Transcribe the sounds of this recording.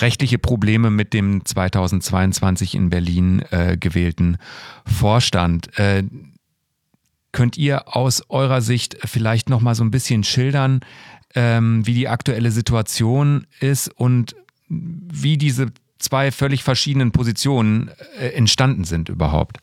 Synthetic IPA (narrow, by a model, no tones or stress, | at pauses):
ʁɛçtlɪçəpʁ̥obleːməmɪt̚d̥eːmt͡sv̥aɪtʰaʊzn̩tt͡sv̥aɪʊnt͡sv̥ant͡sɪçɪ̰nbɛɐliːnɛ̰ːɡəvɛːltn̩foːɐʃta̰ntʔɛː | kʰœntʔiːɐʔaʊsʔɔʏʁ̞ɐzɪçtfɪlaɪçtnɔχmaːlzoːnbɪsçənʃɪldɐnʔɛːmviːdiːʔaktuɛləzituat͡sjoːnɪstʊnt | viːdiːzə | t͡sv̥aɪfœlɪçfɛɐʃiːdənənpʰozit͡sjoːnənɛɛntʃtandn̩zɪntʔy̰ːbɐ̰ɦa̰ʊp̚t